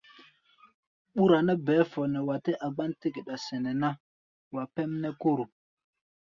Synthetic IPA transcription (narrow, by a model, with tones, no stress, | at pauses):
ɓu˦ɾa˨na˦bɛ˨˦fo˨ne˨wa˨te˦ʔa˨ɡ͡ba˦n˦ti˦ɡi˨ɗa˨se˨ne˨na˦ | wa˨pe˦m˦ne˦ku˦ɾu˨